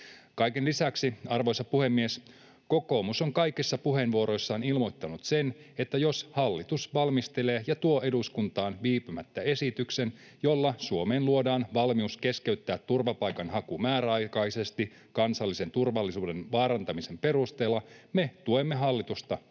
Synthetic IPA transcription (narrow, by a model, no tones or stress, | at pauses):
kɑjkenlisæksiɑrʋo̞jsɑpuhe̞mːies | ko̞ko̞ːmuso̞ŋkɑjkisːɑpuɦe̞nʋuo̞ɾo̞jsːɑːnilmo̞jt̪ːɑnut̪se̞ne̞t̪ːæjo̞shɑlːit̪usʋɑlmist̪e̞leːjɑt̪uo̞e̞duskunt̪ɑːnʋiːpymæt̪ːæe̞sit̪ykse̞n | jo̞lːɑsuo̞me̞ːnluo̞dɑːnʋɑlmiuske̞skeyt̪ːæːt̪ːurʋɑpɑjkɑnɦɑkumæːɾæɑjkɑjsest̪i | kɑnsɑlːise̞nt̪urʋɑlːisuːde̞nʋɑːɾɑnt̪ɑmise̞mpe̞rust̪e̞ːlːɑme̞t̪uemːe̞ɦɑlːit̪ust̪ɑ